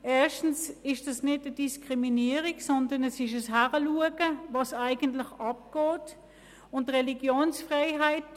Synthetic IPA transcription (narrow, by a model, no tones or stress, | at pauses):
ʔɛːɐʃtn̩sɪʃd̥ɑsnɪdəd̥iskʁiminiːəʁiksɔndɐnɛsɪʃəsɦæʁəluəɡəvɑsaɪɡ̥əntlɪxɑp̚ɡ̥ɔːt | ʊntʁɛliɡjoːnsfʁeɪɦaɪt